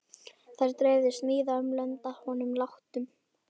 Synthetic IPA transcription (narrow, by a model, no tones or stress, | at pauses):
θajɾt̪ɾeːjðɪst̪nɪːðaœmlɛnt̪ahɔnʏmlaht̪ʏm